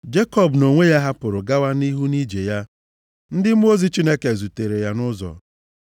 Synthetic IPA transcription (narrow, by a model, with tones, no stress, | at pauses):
d͡ʒe˦kɔ˦˨bno˨ŋʷe˦ja˦ɦa˦pʊ˨ɾʊ˨ɡa˦wa˦ni˦ɦu˦ni˦d͡ʒe˨ja˦ | n̩˦dɪ˦m̩˦o˦zi˦t͡ʃi˦ne˦ke˨zu˨te˨ɾe˨ja˦nʊ˦zɔ̰˨